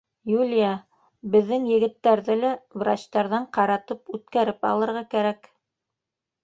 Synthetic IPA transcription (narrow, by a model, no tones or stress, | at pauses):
julʲja | bɘ̆ðːɘŋjɘ̆ɡɘ̆t̪ːæɾðɘlævra̰t͡ɕt̪ɑɾðɑɴqɑɾɑt̪ɤpʉt̪kæɾɘpɑ̰lˠɤ̆ɾʁɑkæɾæk